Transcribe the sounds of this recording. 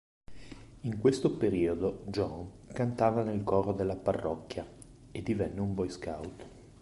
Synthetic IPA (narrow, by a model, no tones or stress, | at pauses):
iŋkwest̪opeɾiːod̪od͡ʒɔŋkant̪aːvanelkɔːɾod̪elːaparːɔkːja | ed̪ːivɛnːeumbɔjska̰wt̪